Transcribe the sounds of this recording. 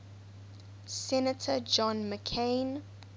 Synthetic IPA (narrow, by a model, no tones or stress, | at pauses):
sɛnətʰəd͡ʒɔ̃nməkʰẽɪn